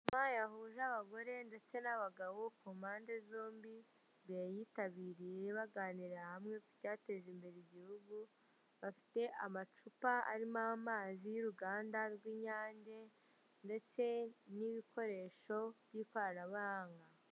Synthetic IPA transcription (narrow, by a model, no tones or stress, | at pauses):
majaɦuʒaβaɡo̞ɾe̞nde̞t͡se̞naβaɡawo̞kumaːnde̞zoːmbi | βjajitaβiːɾije̞βaɡaːniɾahamŋe̞ku̥caːte̞ʒembe̞ɾeiɟihuɡu | βafi̥te̞ʔamat͡ʃupaa̰ɾimamaːzijuɾuɡaːndaɾɡwiːɲaːɲɟe̞ | nde̞t͡se̞niβikʰo̞ɾe̞ːʃo̞βɟiːkwaːɾaβaːŋɡa